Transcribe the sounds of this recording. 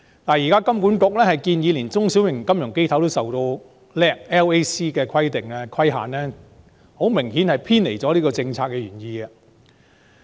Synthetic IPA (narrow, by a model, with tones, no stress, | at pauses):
laː˨˩jiː˨˩kaː˥kɐ˥mkuː˨˥nt̪ʊ˨˥k̚lɛː˥hɐ˨jkiː˧njiː˨˧liː˨˩nt͡sʊ˥ŋsi˨˥wjɪ˨˩ŋkɐ˥mjʊ˨˩ŋke˥jt̪ʰɐ˨˥wt̪o˥wsɐ˨wt̪o˧w | lɛː˧˥k̚ɛː˥we˥jsiː˥kɛː˧kʰɐ˥jt̪ɪ˨ŋaː˧kʰwɐ˥jɦa̰ː˨nɛː˥ | ho˨˥wmɪ˨˩ŋhiː˨˥nhɐ˨jpʰiː˥nle˨˩jt͡sɔː˨˥liː˥kɔː˧t͡sɪ˧ŋt͡sʰaː˧kːɛː˧ɥyː˨˩njiː˧ɡɐ˧